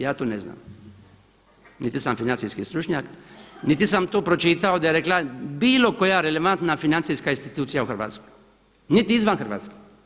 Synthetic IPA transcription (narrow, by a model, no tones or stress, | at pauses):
jaːt̪oːnezna̰ːm | nit̪isamfinant̪siskist̪ɾut͡ʃɲaknit̪isamt̪oːpɾo̞t͡ʃit̪aod̪ajeɾeklabiːlo̞ko̞jaɾeleʋant̪nafinant̪siskainst̪it̪uːt̪sijauxr̩ʋa̰ːt̪skoj | nit̪iizʋanxərʋa̰ːt̪ski̥